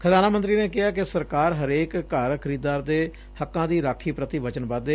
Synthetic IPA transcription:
kʰəd̪aːnaːmənt̪ɾiːneːkɪaːkɪsəɾkaːɾɦəɾeːkːəɾkʰəɾiːd̪aːɾd̪eː | həkːãːd̪iːɾaːkʰːiːpɾət̪iːʋət͡ʃənbad̪e

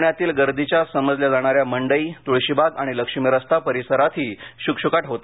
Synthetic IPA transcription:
ɳjat̪iːlɡəɾd̪ʱit͡ɕjasəməd͡zljad͡zaɽ̃aɾjaməɳɖəiːt̪uɭɕibʱaɡaɽ̃iləkʂimiɾəst̪apəɾisəɾat̪ʰiːɕukɕukaʈɦot̪a

